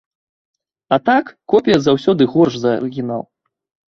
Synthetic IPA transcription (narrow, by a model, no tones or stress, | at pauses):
ɐt̪akːɔpʲijɐzawsʲɔd̪ɨɣɔrʂzɐɐ̰ɾɨɣʲinalˠ